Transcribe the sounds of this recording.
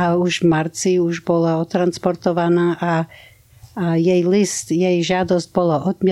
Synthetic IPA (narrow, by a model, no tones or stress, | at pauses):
auʒvmaɾt͡siuʒbɔlaɔt̪ɾanspɔɾt̪ɔʋanaːʔa | jɛjlist̪jɛjʒɪad̪ɔzɟ̚bɔlaʔɔd̪m